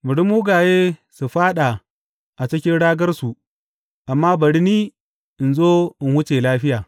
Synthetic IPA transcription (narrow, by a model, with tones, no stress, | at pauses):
mʊ˨ɽi˦muː˦ɡa˨jeː˦su˨ɸaː˦ɗa˨ | ʔa˨t͡ʃɪ˦kʲɪ˦nɽaː˦ɡɐ˦rsu˨ | ʔa˨mːaː˦bɐ˨ɽi˦niː˦ | ʔɪ˨nzoː˦ɪ˨nhʊ˦t͡ʃe˨laː˦ɸɪ˦jaː˨